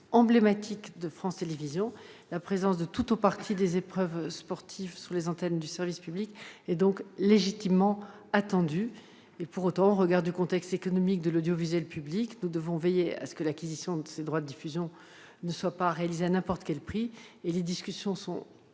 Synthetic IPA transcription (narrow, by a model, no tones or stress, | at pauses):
ɑ̃blemat̪ʰikd̪əfχɑ̃st̪elevizjɔ̃lapχezɑ̃sd̪ət̪ut̪opaʁt̪ʰid̪ezepχœvspɔʁt̪ʰivsyʁlezɑ̃t̪ɛnd̪ysɛʁvispyblikɛd̪ɔ̃kleʒit̪imːɑ̃ | at̪ɑ̃d̪y | epuʁot̪ɑ̃ɔ̃ʁəɡaʁd̪ykɔ̃t̪ɛkst̪ekɔnɔmik̚d̪əlod̪jɔvizyɛlpybliknud̪əvɔ̃vejea̰sə̥kəlakʲizisjɔ̃d̪əsed̪ʁwad̪əd̪ifyzjɔ̃ | nəswapaʁealizeanɛ̃pɔʁt̪ə̥kʲɛlpχieled̪iskʲysjɔ̃sɔ̰̃